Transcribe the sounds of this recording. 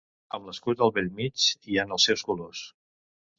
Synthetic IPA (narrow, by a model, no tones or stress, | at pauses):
əmləskut̪əlˠβɛlmit͡ʃianəlˠsɛwskulos